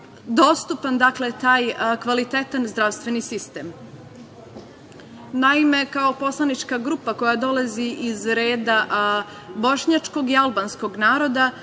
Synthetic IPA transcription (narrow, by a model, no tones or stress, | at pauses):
d̪o̞st̪upand̪akle̞t̪aːjkʋalit̪et̪anzd̪ɾaʋst̪ʋe̞nisist̪em | naime̞kaopo̞slˠanit͡ʃkaɡɾuːpako̞jad̪o̞laziʔizɾe̞ːd̪a | bo̞ʃɲat͡ʃko̞ɡialˠbansko̞ɡnaːɾo̞d̪a